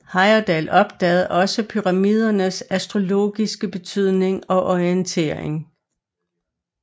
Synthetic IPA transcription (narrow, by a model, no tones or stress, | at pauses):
hɑ̈ɪɐd̥ɛlɒ̽b̥̚d̥ɛ̰ːð̩ˠʔɒ̽səpʰyʁɑ̈miːð̞ˠɐnəsæsd̥ʁo̝lo̝̰ːɡ̥isɡ̥əb̥e̝t͡sʰyð̞̰ˠne̝ŋɒ̽ʔɒiənt͡sʰe̝̰ːɐ̰eŋ